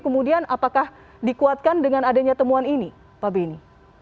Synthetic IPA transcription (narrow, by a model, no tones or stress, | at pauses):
kəmudianapakah | dikuat̪̚kandəŋanadaɲat̪əmuanini | pabeni